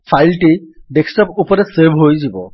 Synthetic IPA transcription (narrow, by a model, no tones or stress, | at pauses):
pʰajlʈiɖeksʈɔpupɔɾɛseɾbʱɦojzibɔ